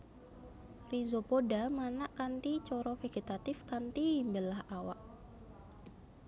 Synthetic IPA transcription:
rizopodamanaʔkant̪it͡ʃɔɾɔfeɡ̥et̪at̪ɪfkant̪imbəlahawa̰ʔ

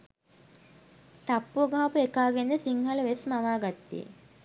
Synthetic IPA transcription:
t̪apːuoɡaɦapuekaːɡenəsiŋhɐləʋesmaʋaːɡɐt̪ːḭḛ

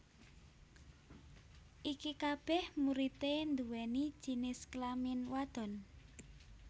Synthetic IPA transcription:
ʔikikab̥ɛhmuɾit̪end̪uwɛnid̥ʒ̥i̤nɪsklamɪnwad̪̥ɔ̤n

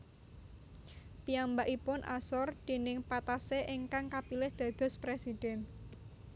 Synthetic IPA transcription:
piambaʔipʊnʔa̰sɔrd̪̥e̤nɪŋpat̪aseʔeŋkaŋkapilɪhd̪̥a̤d̪̥ɔ̤spɾesid̪̥ɛn

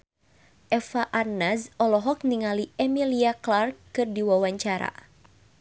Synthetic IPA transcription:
ʔɛfaʔarnazɔlɔɦɔk̚niŋaliɛmiliaklarkːɨrdiwawaɲt͡ʃaɾa̰

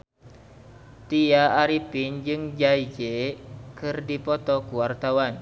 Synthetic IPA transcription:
t̪ijaːɾipind͡ʒɨŋd͡ʒaid͡ʒekɨrdipɔt̪ɔkuwart̪awan

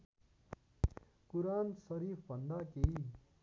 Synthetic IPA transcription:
kuɾaːnsɐɾiːfbɐnd̪aːkei

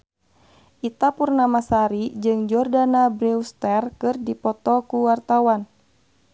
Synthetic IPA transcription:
ʔit̪apurnamasaɾid͡ʒɨŋd͡ʒɔrdanabɾɛust̪ɛrkɨrdipɔt̪ɔkuwart̪awan

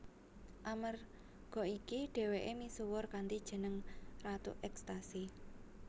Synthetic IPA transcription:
ʔamər | ɡ̥ɔ̤ikiɖ̥e̤weʔemisuwʊrkant̪id̥ʒ̥ə̤nəŋrat̪ṵʔɛkst̪asi

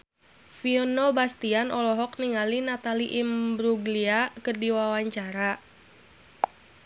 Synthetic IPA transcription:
fiɔnobast̪ianʔɔlɔɦɔk̚niŋalinat̪aliʔimbɾuɡliakərdiwawaɲt͡ʃaɾa

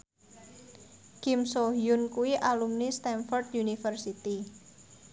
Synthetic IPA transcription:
kɪmsoɦjunkuwiʔalumnist̪ɛnfɔrt̪junifərsit̪i

